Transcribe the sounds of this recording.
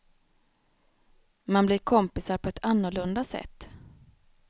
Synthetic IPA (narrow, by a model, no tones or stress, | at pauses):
manblɪɾkʰɔmpɪsaɾpʰɔɛt̪ʰanːʊɭɵnd̪asɛ̰t̪ː